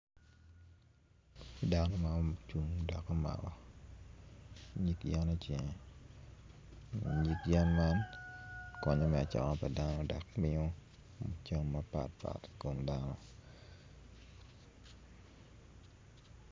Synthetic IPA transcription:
da˨nɔ˦ma˨˦t͡ʃu˨ŋdɔ˨kːɔ˦ma̰˨ɡɔ˦ | ɲi˦kja˦nɔ˦t͡ʃjɛ˨ŋ˨ | ɲi˦kja˦nma˦n | kɔ˨ɲɔ˦mɛ˨a˨t͡ʃɔ̰˨nɔ˦pa˨da˦nɔ˦da˨kmɪ˦ɔ˦ | mo˨t͡ʃa˦ŋmapa̰˨t̚pa̰˨tko˨mda˦nɔ˦

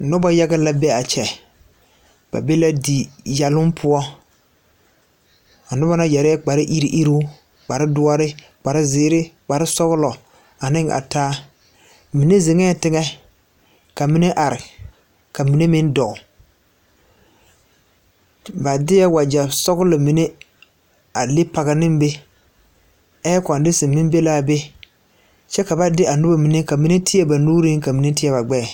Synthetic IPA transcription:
nʊ˦ba˦ja˦ɡɛ˦la˦bɛ˦a˨t͡ʃɛ˨ | b̥a̰˨be˦la˦di˨ja˨lʊ˦npʰʊ˦ɔ˦ | a˨nʊ˦ba˦na˦jɛ˨ɾɪ˦ɛ˦k͡pa˨ɾɪ˦ʔi˦ɾi˦ʔi˦ɾu˦ | k͡pa˨ɾɪ˦dʊ˦a˦ɾɪ˦ | k͡pa˨ɾɪ˦zɪː˨˦ɾɪ˦k͡pa˨ɾɪ˦sɔ˦ɣʊ˦lɔ˨ | a˨nɪ˦ŋʔa̰˨taː˦ | mi˨ne˦ze˨ŋɛ˦˨tɪ˦ŋɛ˦ | ka˨mi˦ne˦ʔa˨ɾɪ˨ | ka˨mi˨ne˦mɪ˦ndɔ˨ʊ˨ | ba˨dɪ˦ja˦wa˨d͡ʒa˨sɔ˦ɣʊ˦lɪ˨mi˨ne˦ | a˨le˦pa˨ɣa˨nɪ˦mbe˦ | ɛː˦kɔ˨n˨dɪ˦sɪ˨mɪ˦m˦be˦laː˦be˦ | t͡ʃɛ˦ka˨ba˦dɪ˦ʔa˨nʊ˦ba˦mi˨ne˦ka˨mi˨˦ne˦tʰɪ˦jɛ˦ba˨nuː˦ɾi˦ŋ˦ka˨mi˨ne˦tɪ˦ɛ˨ba˨ɡ͡bɛ˦˨

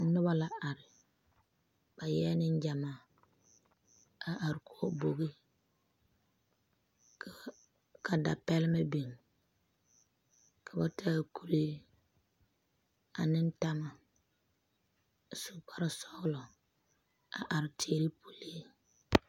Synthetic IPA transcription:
nʊ˦ba˦la˨ʔa˨ɾɪ˨ | ba˨jɛː˦nɪ˦n˦d͡ʒa˨ma˨ | a˨ʔa˨ɾɪ˨kʰu˦o˦bo˨ɡi˦ | k | kʰa˨da̰˨pɛ˦lɪ˦ma˦bi˨ŋ | kʰa˨ba˦tʰaː˦˨ku˦˨leː˦ | a̰˨nɪ˦n˦ta˦ma˨ | su˨pa˦ɾa˦sɔ˦ɣlɔ˨ | a˨ʔa˨ɾɪ˨tʰeː˨ɾi˦pʰu˨leː˦

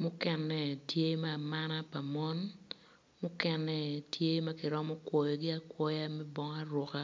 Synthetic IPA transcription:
mʊ˦kɛ˦nːɛ˨tje˦maː˦˨ma˦na˦pa˨mɔ˦n | mʊ˦kɛ˦nːɛ˨tje˦ma˦kɪ˨ɾɔ˦mɔ˦kwɔ˨jɔ˨ɡɪ˦a˦kwɔ˦ja˦mɛ˦bɔ˦ŋa˦rwɔ˨ka˦

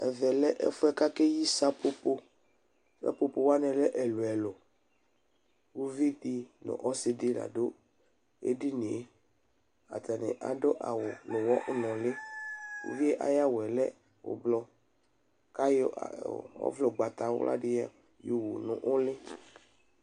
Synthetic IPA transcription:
ɛ˨vɛ˨lɛ˦ʔɛ̰˦fʊ˦ɛ˦ka˦kɛ˦ji˦sa˦po˦po˦ | sa̰˦po˨po˨wa˦nɛ̃˨lɛ˦ʔɛ˨lu˨ɛ˨lɔ˨ | wu˦vi˦ti˦nʊ̰̃˨ʔɔ˦sɪ˦dɪ˦la̰˨do˦ | ḛ˦di˦nĩ˨e˦ | a̰˨t̪a˨nɛ̰˨ʔa̰˨dɔ˦ʔa̰˨wʊ˨nʊ̃˨wɔ˦ʔnɔ̃˨lɪ˦ṵ˦vi˦e˦ʔa̰˨ja˦wɛ˨lɛ˦ | ʊ̰˨blɔ˦ | ka˦j̰ɔ̰˦vlɔ˨ɡ͡ba˨t̪a˨wʊ̰˦lʔa̰˦dɪ˦ja˦ | jo˨wu˨nʊ̰̃˨ʔʊ˦lɪ˦

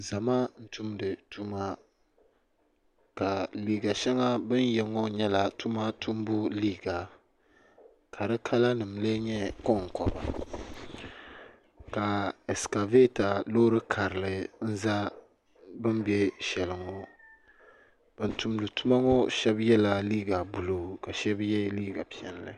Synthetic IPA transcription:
za˨ma˦n̩˦tu˦mdɨ˨tu˦ma˦ | ka˨liː˨ɡa˨ʃɛ˦ŋa˦bɨ˦n˦jɛ˨ŋɔ˦ɲɛ˦la˨tu˦ma˦tu˦m˦bu˦liː˦ɡa˨ | kʰa˨ɾɨ˦kʰa˦la˦nɨ˨m˨le˦ɲɛ˦kɔ˦ŋ˨kɔ˨ba̰˨ | ka˨ɛ˨ska˨ve˦ta˨lo˦ɾɨ˦kʰa˨ɾɨ˨lɨ˨n̩˦za˦ | bɨ˦mbjɛ˦ʃɛ˨lɨ˨ŋɔ˦ | b̥ɨ˨n˦tu˨mdɨ˨tu˦ma˦ŋɔ˦ʃɛ˦bjɛ˦la˦liː˦ɡa˨bu˨lo˨ka˨ʃɛ˦bjɛ˦liː˦ɡa˨pi˦˨ɛ˨n˦lɨ̰˨

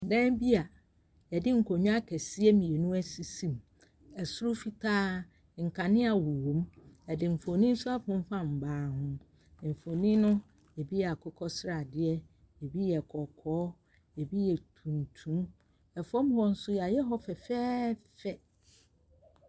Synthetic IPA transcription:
dɛ̃˦bi˦a˨ | ɛ˨dɪ˦ŋ̩˨kʰɔ˨ɲʊ̃˦a˦kʰɛ˨si˦ɛ˦mĩ˨e˨nũ˦æ˦si˨sĩ˦m | ɛ˨sʊ˦ɾʊ˦fi˦tʰaː˦ | ŋ̩˨kʰa˨nɪ̃˦a˨wu˨wõ˨˦mɛ˨dɪ˨m̩˨fo˨nĩ˦n̩˦sʊ˦a˦fʊ̃˦m˦fã˦m̩˨baː˨˦hʊ̃˦˨ | m̩˨fo˨nĩ˦nʊ̃˦ | e˨bi˦˨a˨kʰɔ˦kʰɔ˦sɾa˨dɪ˦ɛ˦ | e˨bi˦jɛ˨kʰɔ˨kʰɔː˨˦ | e˨bi˦jɛ˨tʰũ˨n˨tʰũ˦m | ɛ˨fɔ̃˦m˦hɔ̃˦n̩˦sʊ˦ja˨jɛ˦ɦɔ˦fɛ˨fɛː˦fɛ˨

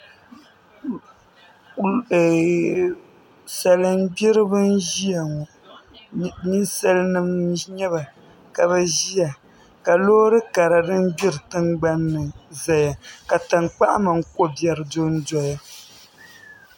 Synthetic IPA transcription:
sa˨lɨ˨m˦bi˦ɾɨ˦bɨ˦n̩˦ʒi˦ja˨ŋɔ˨ | ni˦nsa˦lnɨ˦m˦ɲɛ˦βa˨ | ka˨bɛ˦ʒi˦a˨ | ka˨loː˦ɾɨ˦ka˨ɾa˨dɨ˦n˦bi˦ɾɨ˨tɨ˦ŋɡ͡ba˦nːɨ˨za˨ja˨ka˨ta˨ŋk͡pa˦ʔa̰˦ma˨ŋ̩˦ko˦bjɛ˨ɾɨ˨do˦n̩˦dɔ˨ja˦

